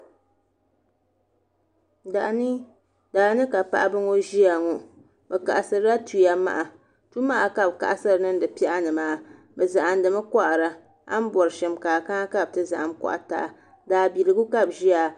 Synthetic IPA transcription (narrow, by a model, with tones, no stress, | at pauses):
da˨ʔa˨ni˦ | daː˨nɨ˦ka˨pa̰˦ʔa˦bɨ˦ŋo˦ʒi˦a˨ŋo˨ | bɛ˨ka̰˨ʔa˨sɨ˨ɾɨ˦ɾa˦tu˨ja˦ma̰˦ʔa˨ | tu˦ma˦ʔa˨ka˦˨b̚ka̰˨ʔa˦sɨ˦ɾɨ˨nɨ˦n˦dɨ˨pi˦ʔa˦nɨ˨maː˦ | bɛ˨za˨ʔa˨n˨dɨ˨mɨ˦ka˦ʔa˨ɾa˨ | a̰˦m˦bɔ˨ɾɨ˨ʃɨ˨mkaː˨ka˦ka˦b̚tɨ˦za˨ʔa˨mka̰˦ʔa̰˨ta̰˨ʔa˨ | daː˨bi˨lɨ˨ɡu˦ka˦˨bʒi˦a˨